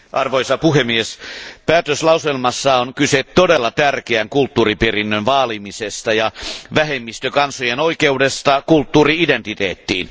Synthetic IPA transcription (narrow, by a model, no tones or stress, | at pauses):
ʔɑrʋoisɑpuhemːiespæːt̪øslɑuselmɑsːɑoŋkyset̪ːodelːɑt̪ærkeæŋkult̪ːuːriperinːønʋɑːlimisest̪ɑjɑʋæhemːist̪økɑnsojenoikeudest̪ɑkult̪ːuːriident̪it̪eːt̪ːiːn